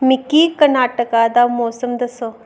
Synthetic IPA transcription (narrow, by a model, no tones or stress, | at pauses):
mĩkiːkɐɾnaːʈəkad̪aːmɔːsəmd̪ɐso